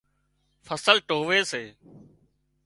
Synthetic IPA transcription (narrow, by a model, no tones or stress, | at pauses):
fʰəsəlʈoːʋeːseː